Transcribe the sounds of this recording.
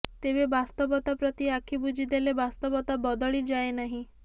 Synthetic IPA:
t̪ebebast̪ɔbɔt̪apɾɔt̪iakʰibud͡ʒʱid̪elebast̪ɔbɔt̪abɔd̪ɔɭid͡ʒaenaɦĩ

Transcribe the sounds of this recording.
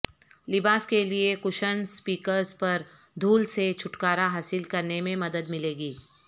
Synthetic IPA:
lɪbaːskeliekʊʃənspiːkəɾspɐɾ | d̪ʱuːlset͡ʃʰʊʈkaːɾaɦaːsɪlkɐɾnemẽmɐd̪əd̪mɪleːɡiː

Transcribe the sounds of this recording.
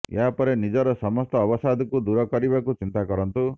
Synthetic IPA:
ḛɦapɔɾenid͡ʒɔɾɔsɔmɔst̪ɔːbɔsad̪ɔkud̪uɾɔkɔɾibakut͡ʃint̪akɔɾɔnt̪u

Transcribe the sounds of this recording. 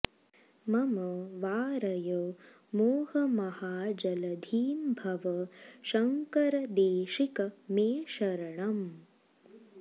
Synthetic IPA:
mɐmɐʋaːɾɐjɐ | moːhɐmɐhaːd͡ʒɐlɐd̪ʱiːmbʱɐʋɐʃɐŋkɐɾɐd̪eːʃikɐmeːʃɐɾɐɳɐm

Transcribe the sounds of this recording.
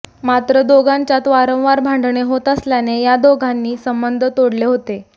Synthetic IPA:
mat̪ɾəd̪oɡʱaɲt͡ɕjat̪ʋaɾə̃w̃ʋaɾbʱãɳɖɳeɦot̪əsljanejad̪oɡʱanːiːsəmbənd̪ʱət̪oɽleɦot̪e

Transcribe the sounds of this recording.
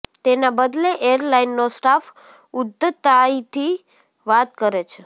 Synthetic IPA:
t̪enabəd̪leʔeəɾlainːosʈaf | ʊd̪ːət̪ait̪ʰi | ʋat̪kəɾet͡ʃʰe

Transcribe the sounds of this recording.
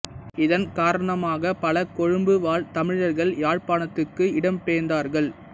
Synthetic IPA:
ɪðɐnkaːɾɐɳɐmaːɣɐpɐlɐkɔɻɯmbɯʋaːɭt̪ɐmɪɻɐɾɣɐɭjaːɻpaːɳɐt̪ːɯkːɯɪɽɐmpeːnd̪aːɾɣɐɭ

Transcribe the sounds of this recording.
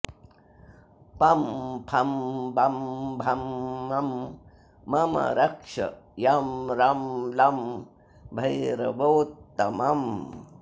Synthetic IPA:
pɐmpʰɐmbɐmbʱɐmːɐmː | ɐmɐ̰ɾɐkʂɐ̰jamɾɐmlɐm | bʱɐjɾɐbowt̪ːɐmɐm

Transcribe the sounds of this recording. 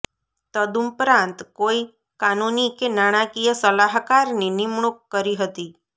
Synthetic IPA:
t̪əd̪umpɾãnt̪koi | kanunikenaɽ̃ãkijəsəlaɦkaɾninɪmɳ̃ukːəɾiɦət̪i

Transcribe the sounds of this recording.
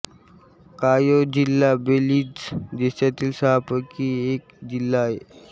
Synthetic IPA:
kajod͡ʑilːabeliːd͡zd͡ʑesjat̪iːlsaɦapəkiek̚d͡ʑilːae

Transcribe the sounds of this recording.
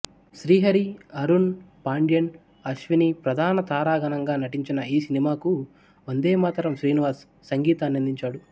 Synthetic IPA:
ʃɾiːɦɐɾiɐɾunpaːɳɖijɐn | ɐʃʋinipɾɐd̪ʱaːnɐt̪aːɾaːɡɐnɐŋɡaːnɐʈiɲt͡ʃinɐiːsinimaːku | ond̪eːmaːt̪ɐɾɐmʃɾiːniʋaːsː | ɐŋɡiːt̪aːnːɐnd̪iɲt͡ʃaːɽu

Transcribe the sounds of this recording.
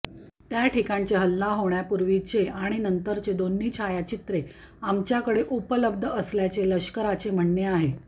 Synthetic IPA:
t̪jaʈʰikãɲt͡ɕeɦəlːaɦoɳjapuɾʋit͡ɕeaɽ̃inənt̪əɾt͡sed̪onːit͡ɕʰajat͡ɕit̪ɾe | amt͡ɕjakəɽeʔupələb̚d̪ʱəəsljat͡seləɕkəɾat͡sem̤əɳːeaɦe

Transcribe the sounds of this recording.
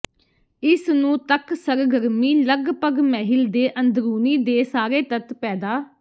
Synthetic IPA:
ɪsnũːt̪əksəɾɡəɾmiːləɡpəɡmɛːɦɪld̪eːʔənd̪ɾuːniːd̪eːsaːɾeːt̪ət̪pɛːd̪aː

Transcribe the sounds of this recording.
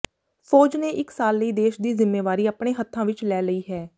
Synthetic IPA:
pʰoːd͡ʒnẽːʔɪksaːlːəiːd̪eːʃd̪iːzɪmːeːʋaːɾiːapɳeːɦət̪ʰːãːʋɪt͡ʃlɛːləiːɦɛː

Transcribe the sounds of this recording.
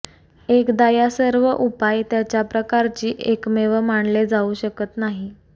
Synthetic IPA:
ekd̪ajasəɾʋəʔupajt̪jat͡ɕjapɾəkaɾt͡ɕiːʔekmeʋəmaɳled͡zauɕəkət̪naɦi

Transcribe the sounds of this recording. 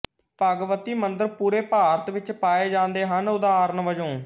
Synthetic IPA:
pəɡʋət̪iːmənd̪əɾpuːɾeːpaːɾət̪ʋɪt͡ʃpaːeːd͡ʒãːnd̪eːɦənʊd̪aːɾnʋəd͡ʒõː

